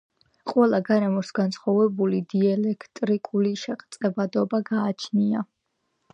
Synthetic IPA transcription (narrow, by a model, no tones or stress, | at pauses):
qʼwɛlˠaɡaɾɛmɔsɡansχɔvɛbulid̪iɛlɛkʰt̪ʼɾikʼuliʃɛqʼt̪sʼɛbad̪ɔbaɡaːt͡ʃʰnia